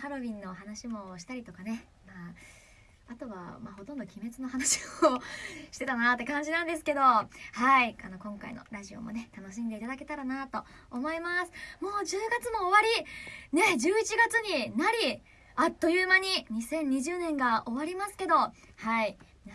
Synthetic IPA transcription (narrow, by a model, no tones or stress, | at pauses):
haɾo̞bʲĩnːo̞ːɦanaɕimo̞ɕi̥t̪aɾʲit̪o̞kane̞ | maː | at̪o̞βa̰maho̞t̪ond̪o̞kʲime̞t͡sɨnoɦanaɕi̥ooɕi̥t̪e̞t̪anat̪ːe̞kãɲ̟d͡ʑinãnd̪e̞sɨ̥ke̞d̪o̞haiano̞kõ̞ŋka̰ḭno̞̰ɾaʑio̞̰mo̞̰ne̞t̪ano̞ɕ̬ĩnd̪eit̪ad̪ake̞t̪aɾanat̪o̞ː | mo̞imasɨ̥mo̞ːd͡ʑɨːɡat͡sɨmo̞ːβaɾʲine̞d͡ʑɨːit͡ɕiɡat͡sɨɲ̟inaɾʲi | at̪ːo̞jɯːmaɲ̟iɲ̟isẽ̞ɲ̟ːiʑɨːnẽ̞ŋɡaʔo̞βaɾʲimasɨ̥ke̞d̪o̞ | haimʲna